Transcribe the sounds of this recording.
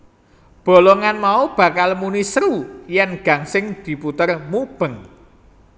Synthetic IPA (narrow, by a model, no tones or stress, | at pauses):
b̥o̤lɔŋanmaub̥ä̤kalmunisɾujɛnɡ̥a̤ŋsɪŋd̪̥i̤put̪ərmub̥əŋ